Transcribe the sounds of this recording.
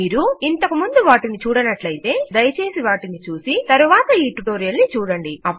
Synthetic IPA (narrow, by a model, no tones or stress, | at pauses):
iːɾuint̪ɐkumund̪uʋaːʈinit͡ʃuːɽɐnɐʈlɐjit̪e̞ːd̪ɐjɐt͡ʃe̞ːsiʋaːʈinit͡ʃuːsit̪ɐɾuʋaːt̪ɐiːʈuʈoːɾijɐlnit͡ʃuːɽɐɳɖiɐpː